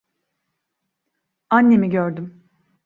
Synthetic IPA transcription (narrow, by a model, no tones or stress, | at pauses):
anːe̞miɟøɾd̪ym